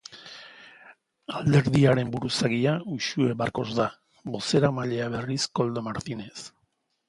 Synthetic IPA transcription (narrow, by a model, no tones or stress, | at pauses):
ald̪e̞ɾðiaɾe̞mbuɾusaɣiauʃue̞βaɾko̞zða | bo̞se̞ɾamaʎe̞aβe̞risko̞ld̪o̞maɾt̪ine̞s